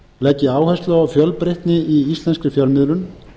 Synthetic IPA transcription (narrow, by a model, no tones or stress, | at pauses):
lɛcːɪaːwhɛst̪lœawfjœlpɾejht̪nɪiist̪lɛnskɾʏfjœlmɪðlʏn